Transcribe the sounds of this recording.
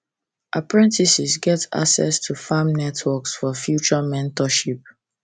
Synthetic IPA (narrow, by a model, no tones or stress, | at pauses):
ʔapɹɛ̃ntisisɡɛta̰ksɛ̰stʰufamnɛtʰwɔksfɔfjut͡ʃəmɛ̃ntɔʃip̚